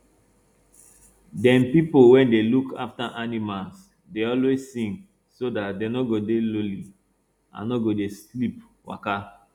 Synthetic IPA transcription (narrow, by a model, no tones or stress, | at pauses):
dɛ̃npipowɛ̃ndelukʰa̰ftaʔanimals | deɔlwezːĩŋk | sodatdenɔɡodeloli | ã̰nnɔɡodeslip | wa̰ka